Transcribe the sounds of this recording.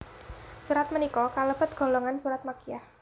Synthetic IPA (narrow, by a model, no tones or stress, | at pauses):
suɾat̪̚mənikɔkaləb̥ə̤t̪̚ɡ̥o̤lɔŋansuɾat̪̚makijah